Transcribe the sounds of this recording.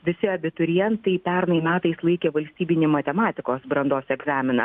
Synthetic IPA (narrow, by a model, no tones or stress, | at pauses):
ʋʲɪsʲɪɐbʲɪt̪ʊɾʲɪjɛnt̪ɐɪpʲɛɾnɐɪmʲæːt̪ɐslˠɐɪkʲeːʋɐlʲsʲt̪ʲiːbʲɪnʲemɐt̪ʲɛmɑːt̪ʲɪkoːsbɾɐnd̪oːsɛɡzɑːmʲɪnɐ̰